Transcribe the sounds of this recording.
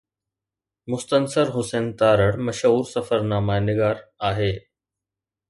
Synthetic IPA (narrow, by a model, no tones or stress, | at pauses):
mʊst̪ənsəɾɦʊseːnt̪aːɾəɽmɐʃəuːɾsɐfəɾnaːmaenɪɡaːɾaːɦeː